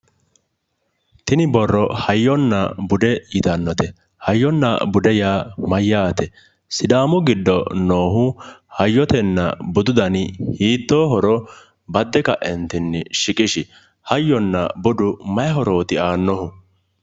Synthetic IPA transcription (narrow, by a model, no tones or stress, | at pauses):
t̪ɪnɪbɔrːɔhɐjːɔnːɐbʊd̪ɛjɪt̪ɐnːɔt̪ɛ | hɐjːɔnːɐ̰bʊd̪ɛjaːmɐjːaːt̪ɛ | sɪd̪aːmʊɡɪd̪ːɔnoːɦʊhɐjːɔt̪ɛnːɐ̰bʊd̪ʊd̪ɐnhiːt̪ːoːɦɔɾɔ | bɐd̪ːɛkɐʔɛnt̪ɪnːɪʃɪkʼɪʃɪ | hɐjːɔnːɐ̰bʊd̪ʊmɐjɛɦɔɾo̞ːt̪ɪaːnːɔhʊ